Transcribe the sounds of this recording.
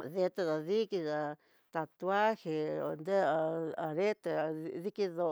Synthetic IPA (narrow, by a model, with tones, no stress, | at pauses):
ðe˧t̪e˧ða˨ði˦ki˧ða˧ | t̪a˧t̪u˧˦a˦he˧˨o˧nd̪e˦˨a˨ɾe˦t̪e˧ði˦ki˦ðo˧